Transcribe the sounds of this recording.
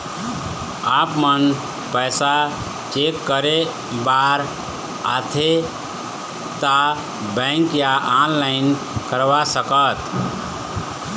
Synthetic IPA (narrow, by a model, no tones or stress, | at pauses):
apmən | pəjsa | t͡ʃekːəɾe | baɾ | a̰t̪ʰe | t̪a | bə̃ŋkjaʔanlaɪn | kəɾʋasəkət̪